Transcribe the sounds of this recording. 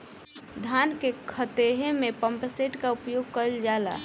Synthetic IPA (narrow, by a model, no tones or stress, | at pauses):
d̪ʱankekʰət̪eɦemẽpə̃mpseʈkaupjoɡ̚kəld͡ʒaːla̰ː